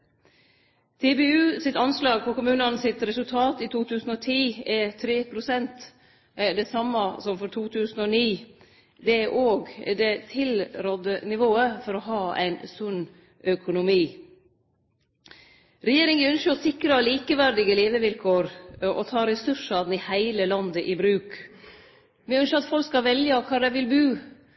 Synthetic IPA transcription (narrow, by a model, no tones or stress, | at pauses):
t̪ʰɛbɛʉːsɪt̪ɑnslɑːɡ̚pʰɔkʊmʉːnɑnəsɪt̪ɾɛsʉlt̪ʰɑːt̪it̪ʰuːt̪ʰʉːsn̩ɔt̪ʰiːɛt̪ʰɾeːpʰɾʊsɛnt̪ | d̪ɛsɑmːəsɔmfɔɾt̪ʰuːt̪ʰʉːsn̩ɔniː | d̪ɛæʔoːɡd̪ɛt̪ʰɪlɾɔd̪ənɪʋoːəfɔɾɔɦɑːæ̰ɪnsʉn | ʔœkʰʊnʊmiː | ɾɛjeːɾɪŋəœnʃəɔsɪkɾɑliːkəʋæɾd̪ɪɡəleːʋəʋɪlkʰoːɾʔɔ̰t̪ʰɑːɾɛsʉʂɑd̪n̩ɪhæɪləlɑnd̪əʔɪbɾʉːk | ʋɪœnʃəɑt̪fɔlkskɑlʋɛljɑkʰɑːɖæʋɪlbʉː